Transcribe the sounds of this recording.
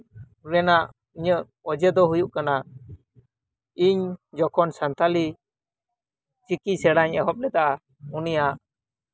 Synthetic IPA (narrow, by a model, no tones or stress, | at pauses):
ɾɛnaʔ | iɲəʔ | ɔd͡ʒɛd̪ɔɦujuʔkana | iɲd͡ʒɔkʰɔnsant̪ʰali | t͡ʃikisɛɽaɲɛɦɔp̚lɛt̪aʔa | unijaʔ